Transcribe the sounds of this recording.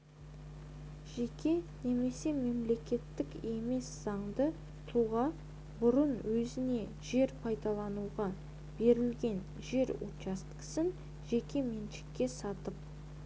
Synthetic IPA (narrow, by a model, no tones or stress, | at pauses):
ʒ̥e̞kʲe̞ne̞me̞se̞me̞mle̞kʲe̞t̪ːɪke̞me̞sz̥ɑɴd̪ə | t̪ʰuʁɑ | bʊɾənwɵzɪne̞ | ʒe̞ɾpʰɑjd̪ɑlˠɑnuʁɑ | b̥e̞ɾɪlɡʲe̞n | ʒe̞ɾṵt͡ʃɑst̪kə̥sɪn | ʒe̞kʲe̞me̞nʃɪ̥kʲːe̞sɑt̪əp̚